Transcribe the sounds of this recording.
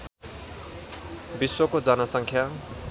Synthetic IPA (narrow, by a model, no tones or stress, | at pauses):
biswʌkod͡zʌnasʌŋkʰja